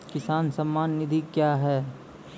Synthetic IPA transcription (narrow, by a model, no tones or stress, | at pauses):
kɪsaːnsɐmːaːnːɪd̪ʱikjaːɦɛː